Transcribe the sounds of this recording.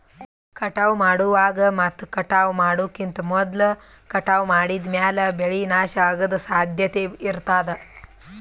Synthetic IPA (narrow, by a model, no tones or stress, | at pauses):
kɐʈɐʋmaːɽuʋaːɡɐmɐt̪ːkɐʈaːʋmaːɽuːkːint̪ɐmɔd̪lɐ | kɐʈaːʋmaːɽid̪mjaːlɐbeɭinaːʃɐaːɡɐd̪ɐsaːd̪ʱjɐt̪eiɾt̪aːd̪ɐ